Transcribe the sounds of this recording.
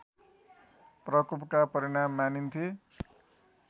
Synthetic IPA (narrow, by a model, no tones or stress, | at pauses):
prʌkupkapʌɾiɽ̃amːanint̪ʰi